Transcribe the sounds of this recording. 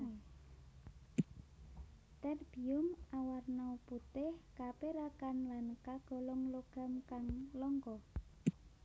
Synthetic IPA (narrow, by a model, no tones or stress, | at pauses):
t̪ɛrb̥i̤ʊmʔawarnɔput̪ɪhkapeɾakanlankaɡ̥ɔ̤lɔŋloɡ̥a̤mkaŋlɔŋkɔ